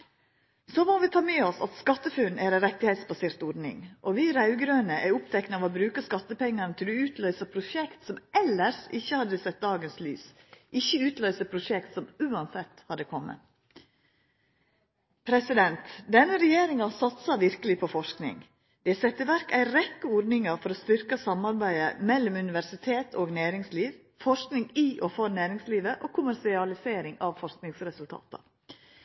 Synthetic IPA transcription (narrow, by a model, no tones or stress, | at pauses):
soːmoʋɪt̪ʰɑːmeːɔsɑ̰t̪skɑt̪ːəfʉnæɾæɾɛt̪ːɪhɛɪt̪sbɑseːɾt̪ɔɖnɪ̰ŋʔɔʋiːɾɑʉɡɾøːnəʔæʊpt̪ʰɛknəɑʋobɾʉːkəskɑt̪ːəpɛŋːɑɾnət̪ʰɪld̪ʉʉːt̪ʰlœʏsəpʰɾʊʃɛkt̪sɔmʔɛləɾsɪçːəhɑd̪əsɛt̪̚d̪ɑːɡənsly̰ːsʔɪçːəʉːt̪lœʏsəpʰɾʊʃɛkt̪sɔmʉːɑnsɛt̪hɑd̪ːəkʰɔmːə̰ | pʰɾɛsɪd̪ɛnt̪d̪ɛnːəɾɛjeːɾɪŋɑsɑt̪sɑʋɪɾkəlɪpʰɔfɔʂknɪ̰ŋ | d̪̥ɛsɛt̪ːəʋæɾkæɪɾɛkːəɔɖnɪŋɑɾfɔɾɔst̪ʏɾkɑsɑmɑɾbæɪəmɛlːɔmʉnɪʋæɾʂɪt̪ʰeːt̪ʰoːɡnæːɾɪŋsliːʋ | fɔʂknɪŋiʔɔfɔɾnæːɾɪŋsliːʋəʔokʰʊmæɾsɪɑlɪseːɾɪŋɑʋfɔʂknɪŋsɾɛsʉlt̪ʰɑ̰ːt̪ɑ̰